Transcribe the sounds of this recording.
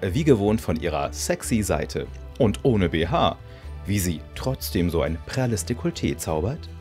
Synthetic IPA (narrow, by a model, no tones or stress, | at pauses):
viːɡəvoːntfɔnʔiːʁ̞ɐ̰sɛksiza̰ɪtʰə̰ | ʔʊntʔoːnəbeːɦaː | viːziːtʁ̥ɔt͡sd̥eːmzoːʔa̰ɪnpʰʁ̥ɛɐlɪstekʰʊltʰeːt͡saʊbɐt